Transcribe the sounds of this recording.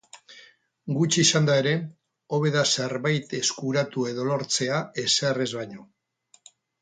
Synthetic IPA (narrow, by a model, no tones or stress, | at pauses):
ɡut͡ʃisand̪ae̞ɾe̞ | o̞β̞e̞ðase̞ɾβajt̪e̞skuɾat̪ue̞ðo̞lo̞ɾt͡se̞ae̞sere̞zβajɲo̞